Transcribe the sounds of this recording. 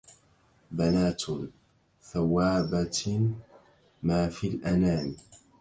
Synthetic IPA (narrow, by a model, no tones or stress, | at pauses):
banaːt̪ | θawːaːba | maːfilʔanaːn